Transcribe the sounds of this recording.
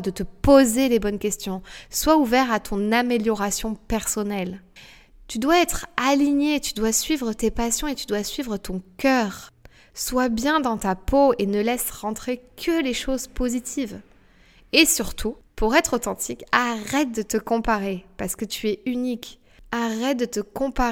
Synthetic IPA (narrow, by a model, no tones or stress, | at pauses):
d̪ət̪əpozelebɔnkʲɛst̪jɔ̃swauvɛʁat̪ʰɔ̃nameljɔʁasjɔ̃pɛʁsɔnɛl | t̪yd̪waɛt̪χaliɲet̪yd̪wasɥivʁət̪epasjɔ̃et̪yd̪wasɥivʁət̪ɔ̃kʲœːʁ | swabjɛ̃d̪ɑ̃t̪apoenəlɛsʁɑ̃t̪χekʰəleʃozpozit̪ʰiv | esyʁt̪ʰupuʁɛt̪χot̪ɑ̃t̪ʰikaʁɛt̪̚d̪ət̪əkɔ̃paʁepaʁsə̥kət̪ʰyɛynik | aʁɛt̪̚d̪ət̪əkɔ̃pa